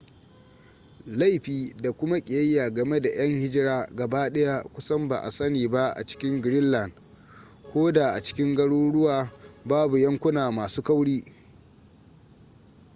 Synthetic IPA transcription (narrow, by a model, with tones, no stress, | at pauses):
la˦˨jɸiː˨da˨kʷʊ˦ma˦kʲʼɪ˨jɐ˦jːaː˨ɡɐ˨me˦da˨j̰ɐ˦ŋhɪ˦d͡ʒɪ˦ɾaː˦ɡɐ˨ba˦ɗɐ˦ja˦kʷʊ˦sɐ˦mba̰˨ʔa̰˨sɐ˦niː˨ba˦ʔa̰˨t͡ʃɪ̥˦kʲɪ˦ŋɡɾɪ˦nːɐ˨n | kʷoː˦da˨ʔa˨t͡ʃɪ̥˦kʲɪ˦ŋɡɐ˦ɽuː˦ɽʊ˦waː˨ | baː˦bu˨jɐ˦ŋkʷʊ˦naː˨maː˨suː˦ka˦wɽiː˦